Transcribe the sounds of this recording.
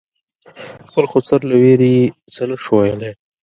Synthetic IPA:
xpəlxosaɾlaweɾit͡sənaʂwajəle

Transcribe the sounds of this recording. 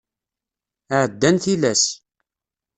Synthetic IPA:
əʕəd̪ːænθilæs

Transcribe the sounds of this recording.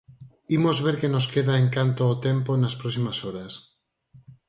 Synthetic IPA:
imozβeɾkenoskeðaeŋkant̪oːt̪emponaspɾɔsimasoɾas

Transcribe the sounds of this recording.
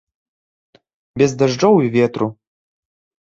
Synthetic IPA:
bʲɛzd̪ɐʐd͡ʐɔwivʲet̪ɾu

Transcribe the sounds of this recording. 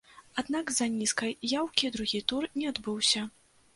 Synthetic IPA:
ad̪naɡzɐnʲiskɐjjawkʲid̪ɾuɣʲit̪urnʲɛad̪bɨwsʲɐ

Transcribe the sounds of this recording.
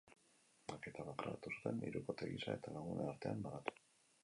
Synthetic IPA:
ake̞t̪aβakɾa̰ɾat̪usu̥t̪e̞nḭɾukot̪eɣisa̰e̞t̪alaɣunʔeaɾt̪e̞ambalat̪u̥

